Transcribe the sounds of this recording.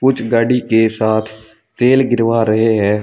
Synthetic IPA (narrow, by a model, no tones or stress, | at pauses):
kʊt͡ʃʰɡaːɖiːkeːsaːt̪ʰ | t̪eːlɡɪɾʋaːɾəɦeːɦɛː